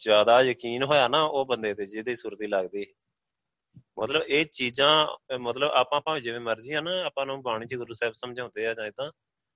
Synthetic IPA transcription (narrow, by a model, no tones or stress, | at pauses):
d͡ʒjaːd̪aːjəkiːnɦoːjaːnaːʔoːbənd̪eːt̪eːd͡ʒɪd̪eːsuːɾt̪iːləɡd̪iː | mət̪ləbeːt͡ʃiːzãːmət̪ləba̰ːpãːpãːiːd͡ʒeːʋẽːməɾd͡ʒiːãːnaːaːpãːnũːbaːɽ̃ĩːt͡ʃeːɡʊɾuːsɛːbsəmd͡ʒãːnd̪eːaːd͡ʒãːɪd̪ãː